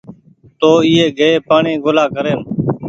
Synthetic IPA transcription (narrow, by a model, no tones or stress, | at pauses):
t̪oːiːeːɡʱəeːpaːɳẽːɡoːlaːkəɾeːm